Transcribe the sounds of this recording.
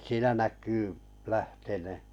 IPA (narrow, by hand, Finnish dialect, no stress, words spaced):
siːnæ nækˑyː læhteneˑ